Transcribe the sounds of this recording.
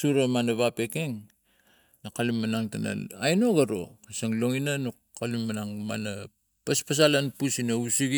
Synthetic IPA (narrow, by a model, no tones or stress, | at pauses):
suɾamanaβape̞keŋ | nakalumːanaŋtana̰lajnoɡaɾo̰saŋlo̞ŋinano | kalumːanaŋma̰na | paspas̬alanpusinausiɡ